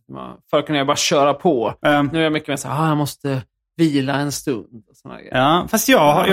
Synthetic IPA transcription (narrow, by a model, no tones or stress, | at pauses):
a̰fœɾat̪kʰːɵnajabɑːɾaɕœːɾapʰɔnʉːæɾjamʏkːəmeːsaːhɑjamɔst̪ə | viːlaɛnst̪ɵnd̪ɔsɔnahæ̰ɡɛ̰jfast̪jɑːɡ